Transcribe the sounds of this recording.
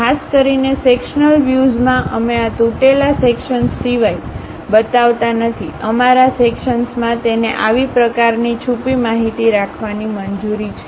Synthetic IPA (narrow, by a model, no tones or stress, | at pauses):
kʰaskəɾinesekʃnəlʋjuzmãʔəmeat̪uʈelasekʃənsːiʋaj | bət̪aʋt̪anət̪ʰiʔəmaɾasekʃənsmãt̪eneʔaʋipɾəkaɾnit͡ʃʰupimaɦit̪iɾakʰʋanimənd͡ʒuɾit͡ʃʰɛ